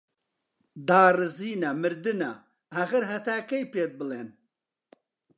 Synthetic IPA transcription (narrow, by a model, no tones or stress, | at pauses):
d̪aːrɨziːnɐmɨɾd̪ɨnɐ | hɐɣɨɾɦɐt̪aːkɐjpeːt̪̚bɨleːn